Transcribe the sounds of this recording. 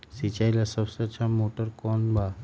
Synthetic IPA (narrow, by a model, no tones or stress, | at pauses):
sit͡ʃajlasəbseətːʃʰamoːʈəɾkɔːnbʱa